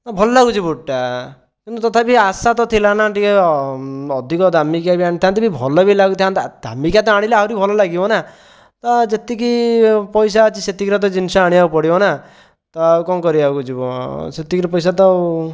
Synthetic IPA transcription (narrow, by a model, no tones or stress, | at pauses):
nabʱɔlɔlaɡut͡ʃʰibuʈːa | kunut̪ɔt̪ʰabiasat̪ɔt̪ʰilanaʈikɔ | ɔd̪ʱikɔd̪ʱamikjabiãit̪ʰãnt̪ibibʱɔlɔbilaɡut̪ʰiant̪d̪ʱa̰mikjat̪ɔaɽ̃ileawɾibʱɔlɔlaɡibɔna | t̪ɔd͡ʒet̪ikipɔjs̬at͡ʃʰiset̪ikɾɔt̪̬ɔd͡ʒinsɔaɽ̃iapɔɽibɔna | t̪ɔawkɔkɔɾiawkut͡ʃʰibɔ̰set̪ikiɾɔpɔjs̬at̪ɔ